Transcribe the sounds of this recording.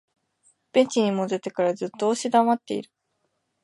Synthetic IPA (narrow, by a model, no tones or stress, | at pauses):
b̥ẽ̞ɲt͡ɕiɲ̟imo̞d̪e̞t̪e̞kaɾazɨt̪ːoːɕid̪amat̪ːe̞iɾɯ̟̥